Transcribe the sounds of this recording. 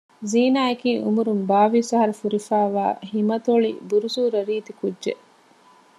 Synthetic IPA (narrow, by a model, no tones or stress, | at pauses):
ziːnaːekiːʔṵmuɾumbaːʋisɐɦɐɾɐfuɾifæːʋa̰ːhimɐt̪oɭḭbuɾusuːɾɐɾiːt̪ikudʒe